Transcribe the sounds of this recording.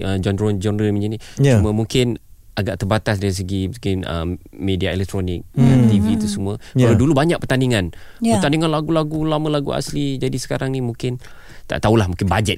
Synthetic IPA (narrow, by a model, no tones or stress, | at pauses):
ʔəd͡ʒɔndɾɔnd͡ʒɔnɾəmiɲd͡ʒiniuməmũŋkɪn | aɡaʔt̪əbat̪asdaɾis̬əɡimsə̥kɪnə̰mmediaɛlɛk̚t̪ɾonɪk̚at̪ivit̪usəmuəkalawdulubaɲaʔk̚pərt̪aniŋãnpət̪aniŋanlaɡulaɡulamə̃laɡṵa̰slid͡ʒadisə̥kaɾaŋnimũŋkɪn | t̪a̰ʔt̪aulahmũŋkɪnbad͡ʒɛt̪̚